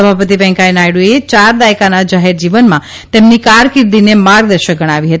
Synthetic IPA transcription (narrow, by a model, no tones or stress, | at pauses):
əbʱapət̪̬ibɛ̃ŋkajnajɽuet͡ʃaɾd̪ajkanad͡ʒaɦeɾd͡ʒiʋənmã | t̪emnikaɾkɪɾd̪inemaɾɡd̪əɾʃəɡʱəɽ̃aʋiɦət̪i